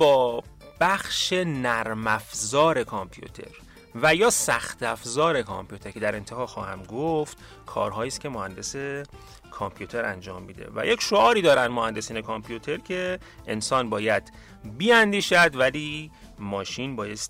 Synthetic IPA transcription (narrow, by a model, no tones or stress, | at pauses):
bɒːb̥æxʃe̞næɾmæfzɒːɾe̞kʰɑmpʰjṵt̪ʰe̞̰ɾ | væjɒːsæxt̪ʰæfzɒːɾe̞kʰɑ̰mpʰijut̪ʰe̞ɾkʲʰe̞d̪æɾe̞nt̪ʰehɒːxɒːhæmɡoft̪ | kʰɒ̰ːɾɦɒːjiːst̪kʰʲe̞mohænd̪e̞se̞ | kʰompʰjut̪ʰe̞ɾæ̰nd͡ʒɒːmːiːd̪e̞̰væ̰jecʰʃoɒːɾiːd̪ɒːɾænd̪mohænd̪e̞siːnekʰɑmpʰjut̪ʰeɾcʰe̞ | ensɒːnbɒːjæd̪̥ | biːænd̪iːʃæd̪væliː | mɒːʃiːnbɒːje̞st̪